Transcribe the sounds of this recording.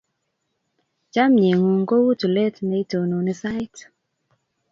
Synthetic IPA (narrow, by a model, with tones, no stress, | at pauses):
t͡ʃa˦mɲe˨ŋo˨ŋɡo˦wu˦tu˨le˦tnɛ˦i˦to˨no˨nɪ˦sa˦jt